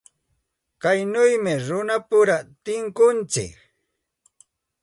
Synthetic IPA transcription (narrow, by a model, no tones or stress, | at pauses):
kajnʊjmɪɾʊnapʊɾat̪ɪŋkʊnt͡sɪ̰k